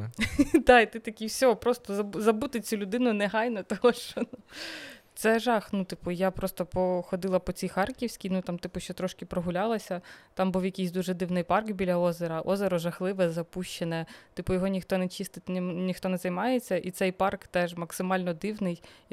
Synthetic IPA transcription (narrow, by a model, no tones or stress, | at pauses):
d̪ɑit̪ɪt̪ɐkʲiwsʲɔɔpɾɔst̪ɔzɐzɐbut̪ɪt͡sʲulʲʊd̪ɪnʊnɛɦɑjnɐt̪ɔɦɔʃt͡ʃɔnu | t̪sɛʒɑxnut̪ɪpʊjapɾɔst̪ɔpɔxɔd̪ɪlˠɐpɔt͡sʲijxɑrkʲiwsʲkʲinut̪ɑmt̪ɪpʊʃt͡ʃɔt̪ɾɔʃkɪpɾɔɦʊlʲɑlˠɐsʲɐt̪ɑmbuwjɐkʲijsʲd̪uʒɛd̪ɪwnɪjpɑrkbʲilʲɐɔzeɾɐʔɔzeɾɔʒɐxlˠɪʋɛzɐpuʃt͡ʃenɛt̪ɪpʊjɔɦɔnʲixt̪ɔnɛt͡ʃist̪ɪt̪ʲnnʲixt̪ɔnɛzɐjmɑjet͡sʲːɐʔit̪sɛjpɑrkt̪ɛʒmɐksɪmɑlʲnɔd̪ɪwnɪj